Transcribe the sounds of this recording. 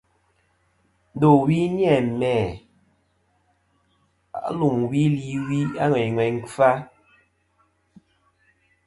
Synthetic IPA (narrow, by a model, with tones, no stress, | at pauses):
n̩˨˦do˨wi˦n˦ɛ˦˨mɛː˨ | a̰˨˦lu˨mwi˦li˨˦wi˦a˦ŋwɛ˨ŋwɛ˨ŋ˦fa˦